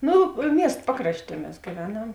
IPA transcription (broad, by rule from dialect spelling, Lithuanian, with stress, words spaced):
ˈnoː ˈmʲiɛst ˈpɑːkrɐʃʲˌtʲiɛ ˈmʲɛs ɡʲiːˈʋʲæːnɐm